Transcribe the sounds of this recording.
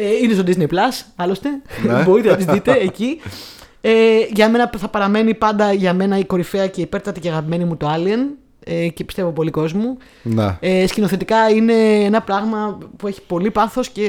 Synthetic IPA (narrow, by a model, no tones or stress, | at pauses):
einest̪od̪iznejplɐsɐlo̞st̪e̞bo̞ɾit̪enɐt̪izðit̪eːci | eʝɐme̞nɐθɐpɐɾɐme̞nipɐnd̪ɐʝɐme̞nɐiko̞ɾife̞ɐce̞ipe̞ɾt̪ɐt̪iceɐɣɐpime̞nimut̪oɐliɐn | ecepist̪evo̞po̞liko̞zmu | nḛescino̞θe̞t̪ikɐine̞enɐpɾɐɣmɐpue̞çi̥po̞lipɐθo̞sce̞